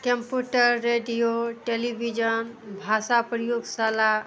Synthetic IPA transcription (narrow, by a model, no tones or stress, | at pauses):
kəmpjuʈəɾːeɖijoʈelibʱid͡ʒənbʱasapɾəjoɡsala